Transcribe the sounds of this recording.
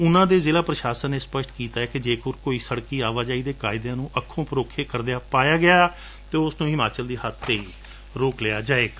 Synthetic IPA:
ʊnãːd̪eːzeːlaːpɾəʃaːsənːeːspəʃʈkiːt̪aːɛːkɪd͡ʒeːkʊɾkoːiːsəɽkiːaːʋaːd͡ʒaːiːd̪eːkaːɪd̪ejãːnũːʔəkʰːõːpəɾoːkʰeːkəɾd̪ejaːpaːjaːɡɪjaː | t̪eːʊsnũːɦɪmaːt͡ʃəld̪iːɦət̪ʰːeːiː | ɾoːklɪaːd͡ʒaːeːk

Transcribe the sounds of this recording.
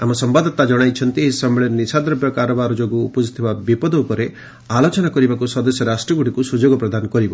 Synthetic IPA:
amɔsɔmbad̪ɔt̪ad͡ʒɔɽ̃ajt͡ʃʰɔnt̪iɦisɔmeɭeɾnisad̪ɾɔbjɔkaɾɔbaɾɔd͡ʒoɡuːpɔd͡ʒit̪ʰibabipɔd̪ɔupɔɾe | alot͡ʃɔnakɔɾibakusɔd̪ɔsjɔɾasʈɾɔɡuɽikusud͡ʒoɡɔpɾɔd̪anɔkɔɾibɔ

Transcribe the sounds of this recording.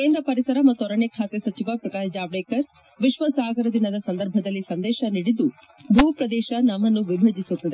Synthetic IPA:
keːnd̪ɾɐpɐɾisɐɾɐmɐt̪ːuɔɾɐɳekʰaːt̪esɐt͡ʃiʋapɾɐkaːɾd͡ʒaːbɽeːkɐɾ | ʋiʃʋɐsaːɡɐɾɐd̪inɐd̪ɐsɐnd̪ɐɾbʱɐd̪ɐlːisɐnd̪eːʃɐniɽid̪u | bʱuːpɾɐd̪ɛːʃɐnɐmːɐnːuʋibʱɐd͡ʒ̪isut̪ːɐd̪e

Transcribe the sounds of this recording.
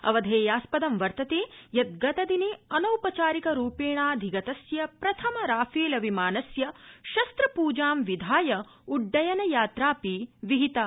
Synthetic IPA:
ɐ̰ʋɐd̪ʱeːjaːspɐd̪ɐmʋɐɾt̪ɐt̪eːjɐt̪̚ɡɐt̪ɐd̪ineːɐnɐwpɐt͡ʃaːɾikɐɾuːpeːɳaːd̪ʱiɡɐt̪ɐsjɐpɾɐt̪ʰɐmɐɾaːfeːlɐʋimaːnɐsjɐʃɐst̪ɾɐpuːd͡ʒaːmʋid̪ʱaːjɐ | uɖːɐjɐnɐjaːt̪ɾaːpiʋiɦit̪ɐ

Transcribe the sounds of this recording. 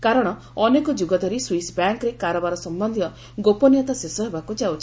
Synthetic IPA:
kaɾɔɽ̃ɔ | ɔnekɔd͡ʒuɡɔt̪ɔɾiswisbjaŋkɾekaɾɔbaɾɔsɔmbɔnd̪ʱijɔ | ɡopɔnijɔt̪asesɔɦebakud͡ʒawt͡ʃʰi̥

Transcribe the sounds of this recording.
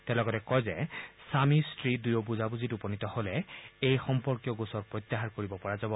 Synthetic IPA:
tɛlɔɡɔtɛkɔjzɛsamistɹidujobuzabuzitupɔnitɔholɛejxɔmpɔɹkjɔɡosɔɹpɹɔt̪ːaɦaɹkoɹibɔpɔɹazabɔ

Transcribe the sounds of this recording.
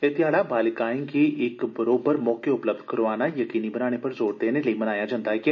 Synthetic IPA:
et̪ɪjaːɽabaːlɪkaːɪ̃ŋkiɪkbəɾoːbəɾmɔːkeʊpləb̚d̪ʱkəɾʋaːnajəkiːnibənaːɽ̃epɐɾzoːɽd̪eːneləimɐnaːjad͡ʒãːnd̪aɦɛkɪ

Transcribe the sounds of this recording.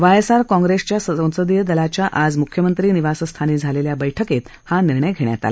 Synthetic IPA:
ʋajesaɾkɔ̃ŋɡɾest͡ɕjasəə̃w̃səd̪ijəd̪əlat͡ɕjaʔad͡zmukʰjəmənt̪ɾiːniʋasəst̪ʰaniːd͡zʱaleljabəjʈʰəket̪haniɾɳ̃əjɡʱeɽɳja̰t̪a̰la

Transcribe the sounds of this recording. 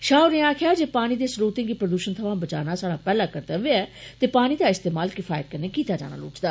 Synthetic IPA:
ʃaːʊɾneːaːkʰɪjaːd͡ʒeːpaːɽ̃iːd̪eːsɾoːt̪ɪ̃ŋɡiːpɾəd̪uːʃənt̪ʰəʋãːbət͡ʃa̰ːnaːsaːɽaːpɛːlaːkəɾt̪əʋeɛːt̪eːpaːɽ̃iːd̪aːɪst̪eːmaːlkɪfʰaːjət̪̚kəɾneːkiːt̪aːd͡ʒa̰ːna̰ːlʊ̰ːt͡ʃd̪aː

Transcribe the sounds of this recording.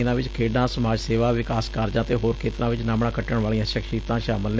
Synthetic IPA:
ɪnãːʋɪt͡ʃkʰeːɖãːsəmaːd͡ʒseːʋaːʋɪkaːskaɾd͡ʒãːt̪eːɦoːɾkʰeːt̪ɾãːʋɪt͡ʃnaːmɳãːkəʈəɽʋaːlĩãːʃəkʃiːt̪ãːʃaːməln

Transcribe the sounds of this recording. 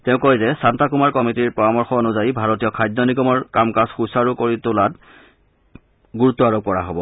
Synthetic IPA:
tɛʊ̃kɔjzɛsantakumaɹkɔmitiɹpɹɔɹamɔɹxɔnʊzajbʱaɹɔtijɔkʰajdnɔniɡɔmɔɹkamkasxusaɹukoɹitʊlat | ɡuɹutːɔaɹob̚kɔɹa̰ɦobɔ

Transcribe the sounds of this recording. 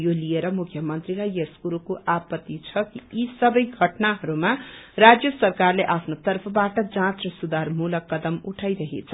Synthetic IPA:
jolijeɾʌmukʰjʌmʌnt̪rilajeskuɾukoʔapʌt̪ːit͡sʰʌkiisʌbʌjɡʱʌʈnaɦʌɾumarad͡zjʌsʌrkarleʔapʰnot̪ʌrpʰʌbaʈʌd͡zãt͡srʌsud̪armulʌkːʌd̪ʌmuʈʰajɾʌɦḛt͡sʰʌ

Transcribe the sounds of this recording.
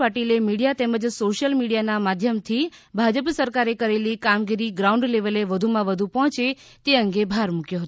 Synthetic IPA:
paʈilemiɽijat̪ɛməd͡ʒsoʃjəlmiɽijanamad̪ʱjəmt̪ʰibʱad͡ʒəpsəɾkaɾekəɾelikamɡiɾiɡɾauɳɖleʋəleʋəd̪ʱumãʋəd̪ʱupɔɦɔ̃t͡ʃe | t̪eəŋɡebʱaɾmukjoɦət̪

